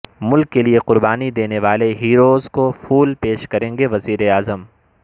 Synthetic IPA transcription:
mʊlkːelieqʊɾbaːnid̪eːneʋaːleɦiːɾoːzkofuːlpeːʃkɐɾẽːŋɡeʋɐziːɾeaːzəm

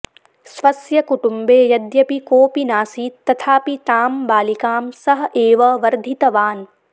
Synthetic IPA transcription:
sʋɐsjɐkuʈumbeːjɐd̪jɐpikoːpinaːsiːt̪ːɐt̪ʰaːpit̪aːmbaːlikaːmsɐɦɐ̆ʔeːʋɐʋɐɾd̪ʱit̪ɐʋaːn

